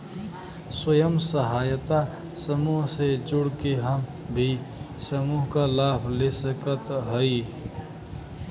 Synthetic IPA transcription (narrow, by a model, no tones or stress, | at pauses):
swəjəmsəɦajət̪a | səmuɦsed͡ʒʊɽkeɦəm | bʱi | səmuɦkalabʱlesəkət̪ɦəi